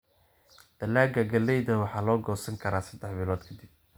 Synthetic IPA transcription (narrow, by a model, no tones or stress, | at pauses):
d̪̥ɐlaːɡɐɡɐlːɛjðɐwɑħɑːlɔːɡɔːsɐŋkʰɐɾaːsɐd̪ɛħbɪlɔːd̪kʰɐd̪ɪb̚